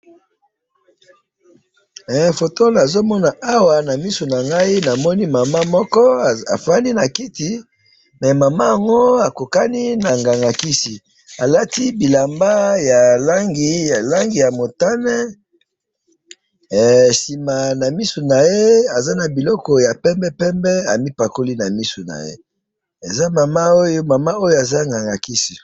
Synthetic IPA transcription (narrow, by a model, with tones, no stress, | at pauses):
ɛ˨fo˨to˦la˨zo˦mɔ˦na˨a˦wa˨na˨mi˦so˨na˨ŋɡa˦i˦na˨mɔ˦ni˦ma˨ma˦mɔ˦kɔ˦a̰˨fa˦ni˦na˨ki˦ti˨ | mɛ˨ma˨ma˦a˨ŋɡo˦a˨ko˨ka˦ni˦na˨ŋɡa˨ŋɡa˨ki˦si˨ | a˨la˦ti˦bi˨la˨mba˦ja˨la˦ŋɡi˨a˨la˦ŋɡi˨ja˨mo˨ta˦nɛ˦˨ | si˨ma˨na˨mi˦su˨na˨je˦a˨za˦na˨bi˨lɔ˦kɔ˨ja˨pɛ˦mbɛ˦pɛ˦mbɛ˦a̰˨mi˦pa˨ko˦li˦na˨mi˦su˨na̰˨jḛ˦ | e˨za˦ma˨ma˦o˦jo˦ma˨ma˦o˦jo˦a˨za˦ŋɡa˨ŋɡa˨ki˦si˨